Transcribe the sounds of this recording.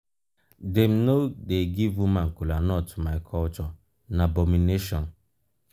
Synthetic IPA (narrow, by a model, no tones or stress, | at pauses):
dem̩nodeɡivumãŋ̩kulanɔtmajkʰɔlt͡ʃɔ | nabɔmineʃɔ̃n